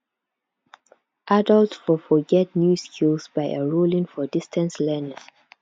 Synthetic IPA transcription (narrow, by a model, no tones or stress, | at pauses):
ʔadəltfɔfɔɡɛt̚njuskʰilsbaɪəɹulĩŋfɔdistʰə̃nslɛnə